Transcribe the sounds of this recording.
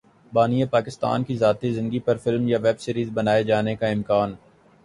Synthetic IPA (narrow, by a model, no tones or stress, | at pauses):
baːniepaːkɪst̪a̰ːnkizaːt̪izɪ̃nɡipɐɾfɪlmjaʋɛbsiːɾiːzbɐnaːed͡ʒaːnekaɪ̃mkaːn